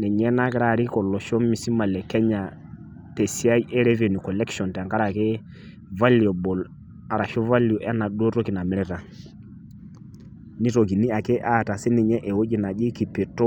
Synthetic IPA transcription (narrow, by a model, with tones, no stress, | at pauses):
nɛ˨ɲɛ˦na˦kɪ˦ɾa˦˨ɾi˦kɔ˨lɔ˨ʃɔ˦mi˨si˦ma˨lɛ˨kɛ˦ɲa˨ | tɛ˨si˦a˦i˦ʔɛ˦ɾɛ˦ve˨ni˨kɔ˨lɛ˦kʃɔ˨nta˨ka˦ɾa˨ke˦ | va˦li˨ɔ˨bɔ˨l | a˨ɾa˨ʃɔ˦va˦ljɔ˨ʔɛ˦na˨ɗo˦to˦ki˨na˨mɪ˦ɾɛ˦ta˨ | ni˦to˨ki˨ni˦a˨ke˦ʔa˦˨ta˨si˦ni˨ɲɛ˦ʔɛ˨wo˦ɟi˦na˨ʄɪ˦ki˨pe˨tɔ˦